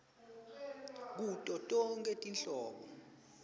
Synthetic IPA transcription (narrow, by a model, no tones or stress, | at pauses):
k̬utʼɔtʼɔŋkʼɛtʼinɬɔːɓɔ